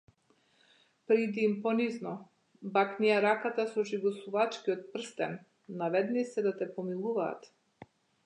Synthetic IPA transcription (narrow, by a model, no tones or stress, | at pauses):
pɾid̪iːmpɔniznɔ | baknɛɛɾakat̪asɔʒiɡɔsuvat͡ʃkiɔt̪̚pr̩st̪ɛnː | avɛd̪nisɛd̪at̪ɛpɔmilˠuva̰ːt̪